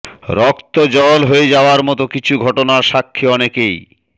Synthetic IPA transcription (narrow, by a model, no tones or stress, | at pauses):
ɾɔkt̪od͡ʑɔlɦoed͡ʑaoaɾmɔt̪okit͡ɕʰuɡʱɔʈonaɾʃakʰːeɔnekej